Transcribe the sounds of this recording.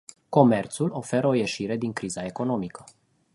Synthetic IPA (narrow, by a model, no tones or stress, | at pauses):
ko̞me̞rt̪sulo̞fe̞ɾəo̞je̞ʃiɾe̞d̪iŋkɾizae̞ko̞no̞mikə̥